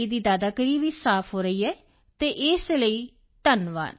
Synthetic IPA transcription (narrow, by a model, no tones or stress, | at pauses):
id̪iːd̪aːd̪aːkəɾiːʋiːsaːpʰɦoːɾəiːɦɛː | t̪eːʔɪsləiː | t̪ənʋa̰ːn